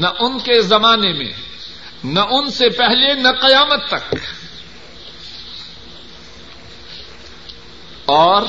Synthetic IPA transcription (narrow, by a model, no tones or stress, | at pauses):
nɐʔʊnkezɐmaːnemḛ̃ | nɐʔʊnsepɛɦlenɐqɐjaːmət̪ːɐk | ɔːɾ